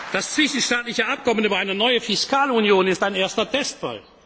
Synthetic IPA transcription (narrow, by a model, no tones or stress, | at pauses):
d̥ast͡sv̥ɪʃn̩ʃtaːtlɪçəʔap̚kɔmən̩yːbɐaɪnənɔʏəfɪskaːlunjoːnɪstaɪneːɐstɐtʰɛstfa̰l